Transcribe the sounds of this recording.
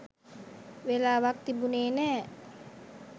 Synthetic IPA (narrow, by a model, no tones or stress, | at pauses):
welawak̚t̪ibunene